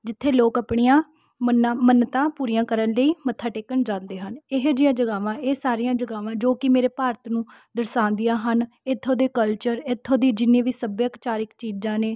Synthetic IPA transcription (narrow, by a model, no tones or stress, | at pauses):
d͡ʒɪt̪ʰːeːloːkəpɳiːãː | mənãːmənt̪ãːpuːɾijãːkəɾənləiːmət̪ʰaːʈeːkəɳd͡ʒãːnd̪eːɦənɪɦd͡ʒɪjãːd͡ʒəɡaːʋãːeːsaːɾijãːd͡ʒəɡaːʋãːd͡ʒoːkɪmeːɾeːpaːɾət̪nũː | d̪əɾsãːnd̪ɪjãːɦən | ɪt̪ʰːõːd̪eːkəlt͡ʃəɾɪt̪ʰːõːd̪iːd͡ʒɪnːẽːʋiːsəbjəkt͡ʃaːɾɪkt͡ʃiːd͡ʒãːneː